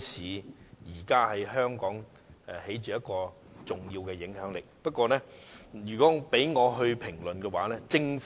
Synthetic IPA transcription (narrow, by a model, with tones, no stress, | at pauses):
sʰiː˨˥jiː˨˩kaː˥hɐ˨jɦœː˥ŋkɔː˨˥ŋ | ɛ˨he˨˥jt͡ʃyː˨˧jɐ˥t̚kɔː˧ | t͡sʊ˨˩ŋjiː˧wkɛː˧jɪ˨˥ŋɦœː˨˥ŋlɪ˨k̚pɐ˥t̚kʷɔː˧lɛː˥jyː˨˩kɔː˨˥pe˨˥jŋɔː˨˧ɦɵ˧ɥpʰɪ˨˩ŋlɵ˨nkɛː˧waː˨˥lɛː˥t͡sɪ˧ŋf